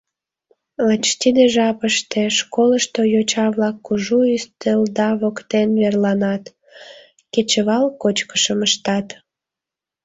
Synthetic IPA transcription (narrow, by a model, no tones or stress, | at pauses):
lɑt͡ɕt̪ʲid̪eʒɑpəʃt̪eʃkoləʃt̪ojot͡ɕɑβlɑkːuʒuyst̪eld̪ɑβokt̪enβerlɑnɑt̪ | ket͡ɕəβɑlkot͡ɕkə̥ʃəməʃt̪ɑt̪